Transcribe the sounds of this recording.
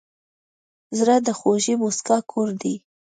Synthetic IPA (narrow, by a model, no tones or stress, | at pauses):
zɾad̪əxoʒimuskɑkʰoɾd̪i